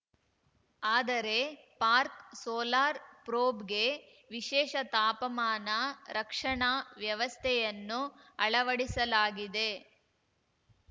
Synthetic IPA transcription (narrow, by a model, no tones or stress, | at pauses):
aːd̪ɐɾe̞ | paːɾksoːlaːɾpɾoːbɡe̞ | ʋiʃɛːʃɐt̪aːpɐmaːnɐɾɐkʂɐɳaʋjɐʋɐst̪ʰɛjɐnːuɐɭɐʋɐɽisɐlaːɡid̪e̞